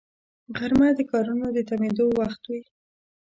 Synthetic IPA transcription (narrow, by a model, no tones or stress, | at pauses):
ɣaɾmad̪əkɑɾunod̪ət̪amed̪owaxt̪wi